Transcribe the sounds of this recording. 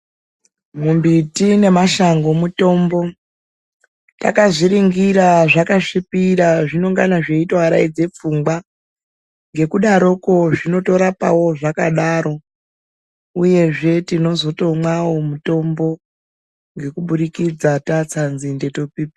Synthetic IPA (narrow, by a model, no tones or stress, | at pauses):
mumbitine̞maʃaŋɡo̞muto̞mbo̞ | ta̰kaʐiɾiŋɡiɾaʐakaʂipiɾaʐino̞ŋɡanaʐe̞itwaaɾa̰id͡ze̞p͡fuŋɡwa | ŋɡe̞kuɗaɾo̞ko̞ʐino̞to̞ɾapawo̞ʐakaɗaɾo̞ | uje̞ʐe̞tino̞zo̞to̞mwawo̞muto̞mbo̞ | ŋɡe̞kuɓuɗikid͡zatat͡sanzinde̞to̞piːpi